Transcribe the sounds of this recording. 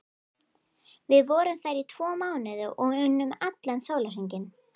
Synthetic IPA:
vɪðvɔːɾʏmθajɾit̪ʰv̥ɔːmaːwnɪðʏʔɔɣʏnːʏmat̪lansoːwlaɦejɲcɪn

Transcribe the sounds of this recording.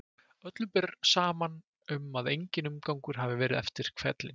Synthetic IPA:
œt̪lʏpɪrsaːman | ʏmaðejɲcɪnʏmkawŋkʏɾ̥ɦavɪvɛːɾɪðɛft̪ɪɾ̥kʰvɛt̪lɪn

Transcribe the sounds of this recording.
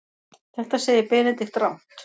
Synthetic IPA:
θɛht̪aseːjɪɾpɛːnɪt̪ɪht̪ɾawn̥tt̪

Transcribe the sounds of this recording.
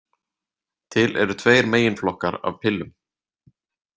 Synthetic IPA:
t̪ʰɪlʔɛ̰ɾʏt̪ʰveːjɾmeːjɪnflɔhkaɾa̰v̥pʰɪlːʏm

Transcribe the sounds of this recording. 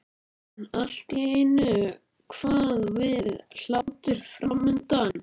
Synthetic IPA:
al̥t̪jejnʏ | kʰv̥aːðvɪðl̥aːwt̪ʏɾ̥fɾamʏnt̪an

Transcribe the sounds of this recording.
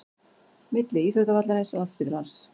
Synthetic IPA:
mɪt̪lɪiːθœɾt̪avat̪laɾɪsɔaðspɪðlans

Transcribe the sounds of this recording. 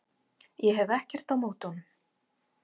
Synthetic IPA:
jɛɦɛvɛhcɛr̥t̪awmoːwt̪ɔnʏm

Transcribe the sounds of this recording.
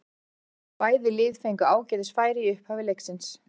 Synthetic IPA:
paːjðɪlɪːðfejŋkʏaːwcɛːðɪsfaːjɾɪʏhphavɪlejksɪns

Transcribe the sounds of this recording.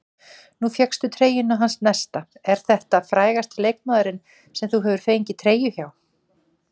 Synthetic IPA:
nufjɛkst̪ʏt̪ʰɾeːjʏnːaɦansnɛst̪aɛɾ̥θɛht̪afɾaːjɣast̪leːjk̚maːðʏɾɪn | sɛmθuɦɛːvʏɾ̥fejɲcɪt̪ʰɾeːjʏçaw

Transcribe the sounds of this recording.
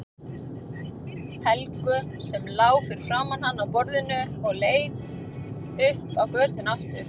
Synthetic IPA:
hɛlkʏ | sɛmlaːwfɪɾɪ̥ɾ̥fɾaːmanhanːawpɔɾðʏnʏɔɣleːjt̪ | ʏhpawkœːt̪ʰɪnaft̪ʏɾ̥

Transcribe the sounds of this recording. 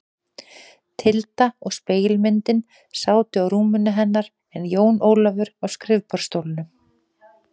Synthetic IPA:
t̪ʰɪlt̪aɔɣspeːjɪlmɪnt̪ɪn | saːwt̪ɪawɾuːmʏnːʏɦɛnːaɾ̥ | ɛnjoːwnoːwlavʏɾawskɾɪvpaɾ̥st̪owlɪnʏ

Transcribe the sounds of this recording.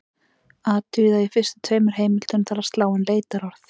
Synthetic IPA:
aːt̪ʏðaifɪst̪ɪ̥t̪ʰveːjmʏɾ̥ɦeːjmɪl̥t̪ʏnθaɾast̪laːwʏnleːjt̪aɾɔɾ̥θ

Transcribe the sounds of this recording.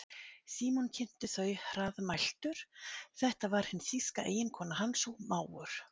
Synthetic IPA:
siːmɔncʰɛm̥t̪ɪθœːɥɾaðmajl̥t̪ʏɾ̥θɛht̪avaɾ̥hɪnsiskaʔeːjɪnkʰɔːnahansuwmaːwʏɾ̥

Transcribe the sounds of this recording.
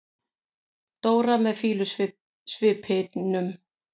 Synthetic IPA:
t̪oːwɾamɛðfiːlʏ | svɪːphɪt̪nʏm

